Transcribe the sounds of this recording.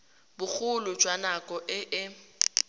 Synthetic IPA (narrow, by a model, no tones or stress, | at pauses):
bʊk͡xʰʊlʊ̥d͡ʒwanakʼɔʔɪʔɪ